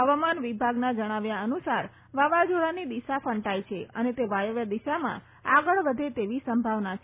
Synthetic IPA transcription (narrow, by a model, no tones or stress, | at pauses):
ɦəʋamanʋibʱaɡnad͡ʒəɽ̃aʋjaənusaɾ | ʋaʋad͡ʒoɭanid̪iʃafəɳʈajt͡ʃʰeənet̪eʋajəʋjad̪iʃamã̰ | aɡəɭʋəd̪ʱet̪eʋisəmbʱaʋnat͡ʃʰ